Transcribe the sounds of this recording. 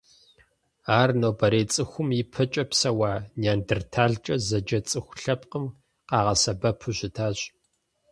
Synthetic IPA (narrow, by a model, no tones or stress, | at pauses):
aːrnoːbɐɾeːt͡sʼɨxʷʊmɪpʰɐt͡ʃʼɐpsɐwaːnjaːndɨrtʰaːɮt͡ʃʼɐzɐd͡ʒɐt͡sʼɨxʷɬɐpqəm | qɑːʁɐsɐbɐpʰʊʑʷɪtʰaːɕʼ